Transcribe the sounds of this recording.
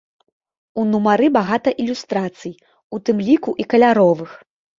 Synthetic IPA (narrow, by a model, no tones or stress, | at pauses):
unumaɾɨbaɣat̪ɐʔilʲust̪ɾat̪sɨj | ut̪ɨmlʲikuʔikɐlʲaɾɔvɨx